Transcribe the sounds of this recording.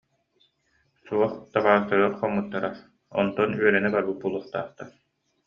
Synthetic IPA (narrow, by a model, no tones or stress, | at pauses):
suɔχt̪aʁaːɯst̪aɾɯɐɾχɔmːɯt̪ːaɾa | ɔ̰nt̪ɔnyœɾɛnɛbaɾbɯt̪̚bulˠuɔχt̪a̰ːχt̪aɾ